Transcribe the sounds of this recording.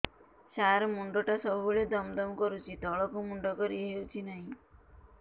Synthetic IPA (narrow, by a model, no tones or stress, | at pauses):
ʃaɾmuɳɖɔʈasɔbʱuɭed̪ɔmd̪ɔmkɔɾut͡ʃʰit̪ɔɭɔkumuɳɖɔkɔɾiɦeut͡ʃʰinaɦĩ